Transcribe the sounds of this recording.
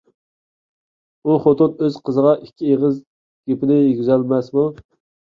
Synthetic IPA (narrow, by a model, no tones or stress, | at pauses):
uχot̪unøz̥qʰəzəʁɑʔikʲʰːieʁəz | ɡ̥ʲepɪnɪjyɡʲyzælmɛsmu